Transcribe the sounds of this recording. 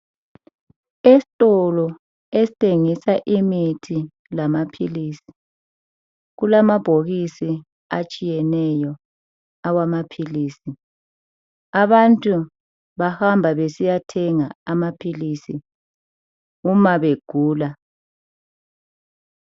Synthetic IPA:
esi̥tʼɔlɔ | esi̥tʰʼeŋisaʔimitʰi | lamapʰiliːsi̥ | ɣulamab̥ʱoɣisi | at͡ʃʼijɛnɛjɔ | awamapʰiliːsi | aβantʼu | βahambʱaβesijatʰɛŋaamapʰiliːsi | umaβeɡ̥ʱuːla

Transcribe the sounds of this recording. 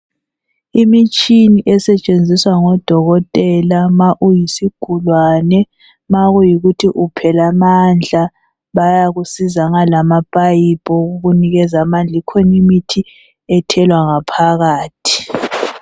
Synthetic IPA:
imit͡ʃʼiniʔɛsɛt͡ʃʼend͡zʱiswaŋɔd̥ʱɔɣɔtʼɛlamaʔujisiɡ̥ʱulwanɛ | maɣujiɣutʰiʔupʰɛlamand͡ɮʱa | βajaɣusizaŋalamab̥ʱajib̥ʼɔoɣuniɣɛzamand͡ɮʱikʰonumitʰi | ɛtʰɛlwaŋapʰaɣaːtʰi̥

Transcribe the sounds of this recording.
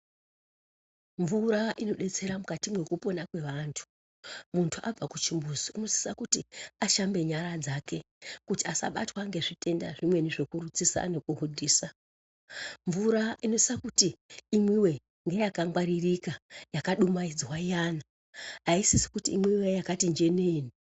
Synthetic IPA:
ɱvuɾaʔino̞ɗe̞t͡se̞ɾamukatimwe̞kupo̞nakwe̞ʋantʰu̥ | muntʰuʔab͡vakut͡ʃimbuziuno̞si̥sakutiaʃambe̞ɲaɾad͡zake̞ | kutiasa̰ɓa̰twaŋɡe̞ʐitʰe̞nda̰ʐimwe̞niʐe̞kurut͡sisa̰ne̞kuɦudʱiːsa | ɱvuɾaʔinosisakutiːmwiwe̞ | ŋɡejakaŋɡwaɾirikajakaɗumaid͡zwajana | ɦaisisi̥kutiːmwiwejakatind͡ʒe̞neːni

